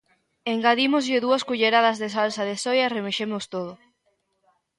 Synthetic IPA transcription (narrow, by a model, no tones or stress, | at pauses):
eŋɡaðimozʎɪðuɐskuʎeɾaðɐzðesalsaðesojaremeʃemost̪oð̞ʊ